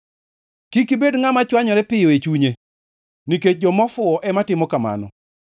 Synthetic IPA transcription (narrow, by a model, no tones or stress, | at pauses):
kikibedŋamat͡ʃwaɲɔɾɛpɪjɔet͡ʃuɲe | niket͡ʃ̚d͡ʒɔmɔfʊɔʔɛmatɪmɔkama̰nɔ̰